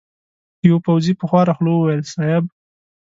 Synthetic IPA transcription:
jawpawzipəxwɑɾɑxlowwajlsɑɪb

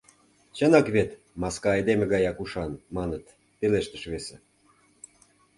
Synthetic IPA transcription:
t͡ɕənɑkβet̪ | mɑskɑɑjd̪emĕɣɑjɑkuʃɑnmɑnət̪ | peleʃt̪əʃβese

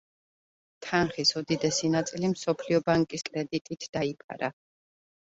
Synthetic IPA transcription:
t̪ʰanχisɔd̪id̪ɛsinat̪sʼilimsɔpʰliɔbaŋkʼiskʼɾɛd̪it̪ʼit̪ʰd̪̥aipʰa̰ɾa

